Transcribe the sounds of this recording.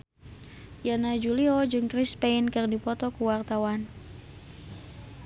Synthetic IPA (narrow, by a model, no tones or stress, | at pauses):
janad͡ʒuliɔd͡ʒɨŋkɾispeinkɨrdipɔt̪ɔkuwart̪awan